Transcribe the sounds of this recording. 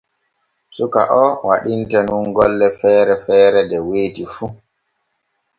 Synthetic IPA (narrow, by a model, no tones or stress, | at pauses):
suka̰ʔɔwaɗintɛnunɡɔlːɛfɛːɾɛfɛːɾɛdɛweːtifu